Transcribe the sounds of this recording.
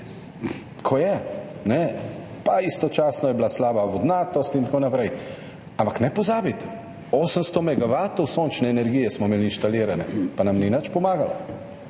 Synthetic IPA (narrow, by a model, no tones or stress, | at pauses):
kʰojɛnɛpaist̪ɔt͡ʃaːsnɔjɛblaslaːbaʋɔd̪naːt̪ɔst̪int̪koːnapɾɛj | ampaknɛpɔzaːbit̪ | oːsənst̪ɔmɛɡaʋaːt̪ɔwsoːnt͡ʃnɛːnɛɾɡijɛsmɔmeːliinʃt̪aliːɾanɛ̰panamninat͡ʃpɔmaːɡalɔ̰